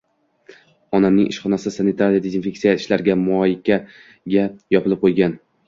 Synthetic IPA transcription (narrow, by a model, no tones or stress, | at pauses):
ɒnamnɪŋʔɪ̰ʃχɒnasɪsanɪt̪ʰaɾijad̪ezinfʲe̞ksijaɪʃlaɾɪɡʲamɒːjɪkʲa | ɡʲajɒpʰɪlˠɪp̚qʰojɡʲan